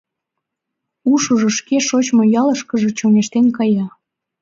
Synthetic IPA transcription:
uʃəʒŏʃkeʃot͡ɕmojɑləʃkəʒĕt͡ɕoneʃt̪enkɑjɑ

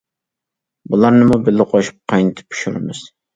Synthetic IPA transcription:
bulˠɑɾnɨmubɪlɪqʰoʃu̥p̚qʰɑjnɨt̪ʰɪ̥pʰːy̥ʃuɾɪ̰mɨs

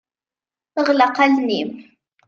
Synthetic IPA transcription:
əʁlɑqalnim

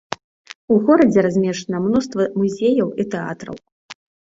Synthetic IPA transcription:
uɣɔɾɐd͡zʲɛɾazʲmʲɛʂɐnɐmnust̪vɐmuzʲejɐwit̪ɛa̰t̪ɾɐ̰w

